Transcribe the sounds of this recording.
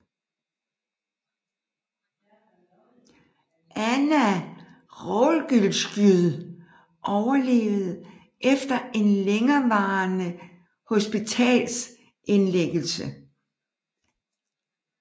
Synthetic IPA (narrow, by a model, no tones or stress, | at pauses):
ʔænæ | ʁɔlɡ̥ylsɡ̥yðˠ | ʔɒʊɐle̝̰ːʊð̩ˠ | ʔefd̥ɐe̝nleŋɐʋɑ̈ːnə | ho̝sb̥it͡sʰɛ̰ːls | ʔe̝nleɡ̥əl̩sə